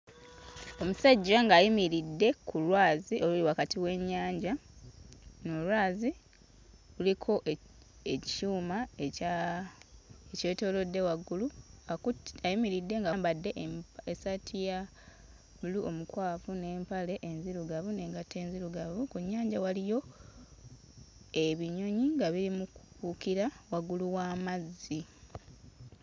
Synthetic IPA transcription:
o̞musaɟːaŋɡaːjimiɾidːe̞kʰulwaːzio̞luliwakatiwe̞ɲːaːɲɟa | nolwaːzi | ɣulikʰo̞ʔ | ect͡ʃuːma | ece̞ːto̞ːlo̞dːe̞waɡːuluaajimiɾidːe̞ŋɡaːmbadːe̞ʔesatʰija | βuluʔo̞mukwaːfune̞ːmpale̞ʔenziɾuɡaβune̞ŋɡatːe̞ːnziɾuɡaβukuɲːaːɲɟawalijo̞ | e̞βiɲo̞ɲiŋɡaβiɾimukukukiɾawaɡuluwaːmazːi

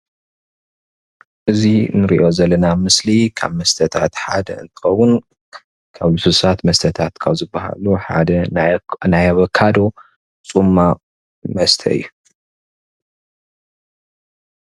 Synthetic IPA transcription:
ʔɨzinɨɾḭʔo̞zɐlːɐnamɨslikʰa̰βmɐst̪ʰɐt̪ʰat̪ħa̰d̪ɐ̰ɨ̰nt̪ʰɨ̥xɐwːʊn | kʰaβlususat̪mɐst̪ʰɐt̪ʰat̪kʰaβzɨbːɐɦa̰luħa̰d̪ɐnajaβɐkʰːad̪o̞ | t͡sʼumːa | mɐst̪ʰɐ̰ɨ̰jːu

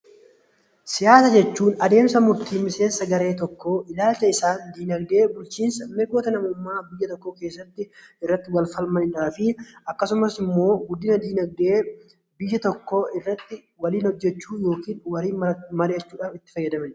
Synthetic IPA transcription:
sɪjaːsɐd͡ʒɛt͡ʃːuːnɐd̪e̞ːmsɐmʊɾt̪iːmɪse̞ːnsɐɡɐɾe̞ːt̪ɔkːoːʔɪlaːlt͡ʃɐɪsaːnd̪iːnɐɡd̪e̞ːbʊlt͡ʃiːnsɐmɛɡoːt̪ɐnɐmʊmːaːbɪjːɐt̪ɔkːoːke̞ːsːɐt̪ːɪɪrːɐt̪ːɪwɐlfɐlmɐnɪᶑaːfɪɐkːɐsʊmɐsɪmːo̞ːɡʊd̪ːɪnɐd̪iːnɐɡ̚d̪eː | bɪjːɐt̪ɔkːoɪrːɐt̪ːɪ | wɐliːnhɔd͡ʒːɛt͡ʃːuːjo̞ːkiːnwɐɾiːnmɐɾeːt͡ʃːuːᶑɐːfɪt̪ːɪ̥fɐjːɐd̪ɐmɐn

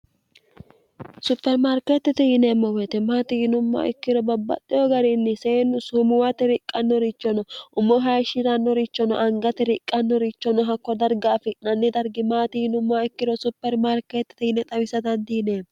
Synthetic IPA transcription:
sʊpːɛɾmaːɾket̪ːɛt̪ɛhɪneːmːɔwɛt̪ɛmaːt̪ɪhɪnʊmːa̰ʔɪkːɪɾɔbɐbːɐ̰t̪ːɪjɔɡɐɾɪnːɪseːnːʊsumʊwat̪ɛɾɪkʼːɐnːɔɾɪt͡ʃːɔnɔʔʊmːɔɦɐjʃɪɾɐnːɔɾɪt͡ʃːɔnɔ̰ʔɐŋɡɐt̪ɛɾɪkʼːɐnːɔɾɪt͡ʃːɔnɔɦɐkːɔd̪ɐɾɡaːfɪnɐnːɪd̪ɐɾɡɪmaːt̪ɪhɪnʊmːaɪkːɪɾɔsʊpːɛɾmaːɾket̪ːɛ̥t̪ɛhɪnɛt̪ʼɐwɪsɐd̪ɐnd̪iːneːm

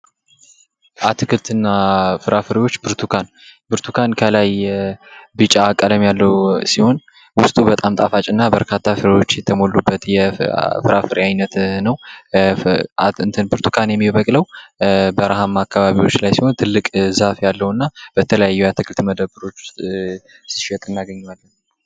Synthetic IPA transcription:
ʔat̪ʰɨkʰɨlt̪ɨnːafɨɾʔafɨɾiwo̞t͡ʃːbɨɾt̪ʰukʰan | bɨɾt̪ʰukʰankʰəlaj | bɨt͡ʃʼakʼːələmjalːəwsiho̞n | wʊst̪ʼubət̪ʼamt̪ʼafat͡ʃʼɨnːabəɾkʰat̪ʰːafɨɾiwo̞t͡ʃːjɛt̪ʰəmo̞lːubːət̪jɛfɨɾʔafɨɾiajnət̪nəw | aɨnt̪ʰɨnbɨɾt̪ʰu̥kʰanjɛmːiβəkʼləwbəɾaɦamːakːaβaβiwo̞t͡ʃːlajsiho̞nt̪ʰɨlːɨkʼzafjalːəwnːab̥ət̪ʰələjajːujat̪ʰɨkʰɨlt̪məd̪əbɨɾo̞t͡ʃː | si̥ʃɛt̪ʼɨnaɡəɲːalːən

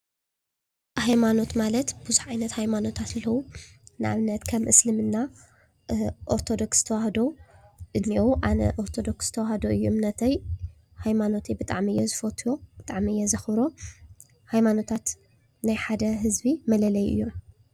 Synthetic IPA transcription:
hajmano̞t̪malɐt̪bɨzuħʕajnɐt̪hajmano̞t̪ʰat̪ɨlːɐwu | nɨʔa̰βnːɐt̪kʰɐmʔɨslɨmɨnːa | ʔoɾt̪ʰo̞d̪o̞ksɨ̥t̪ʰɐwahd̪oʔɨd̪miʔʔanɐ̰ʔoɾt̪ʰod̪o̞kszɨ̥t̪ʰɐwahd̪oʔɨjːumnɐt̪ʰɐj | hajmano̞t̪ʰibɨt̪ʼaʕmiɨjːɛzɨfot̪ʰujob̥ɨt̪ʼaʕmiɨjːɛzɐxbɾo̞ | hajmano̞t̪ʰat̪ | najħad̪ɐɦɨzbimɐlɐlɐjʔɨ̰jːom

